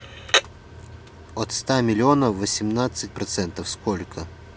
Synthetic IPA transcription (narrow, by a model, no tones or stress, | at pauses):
ot̪st̪amʲɪlʲɪonəːəsʲɪmnat̪sɨt̚ʲpɾɐt̪sɛnt̪əfskolʲkʰə